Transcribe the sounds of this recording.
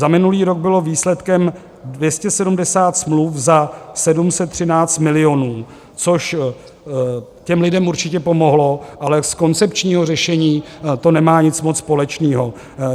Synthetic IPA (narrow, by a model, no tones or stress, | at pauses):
zamɪnuliːɾo̞ɡ̚bɪlo̞viːslɛt̪kɛm | dvjɛscɛsɛdumdɛsaːt̪smlufzasɛdumsɛt̪ːr̝̥ɪnaːt͡st̪mɪlɪo̞nuː | t͡so̞ʃ | cɛmlɪdɛmuɾt͡ʃɪcɛpo̞mo̞ɦlo̞ʔalɛsko̞nt͡sɛpt͡ʃɲiːɦo̞r̝ɛʃɛɲiːt̪o̞nɛmaːɲɪt͡smot͡sspo̞lɛt͡ʃniːɦo̞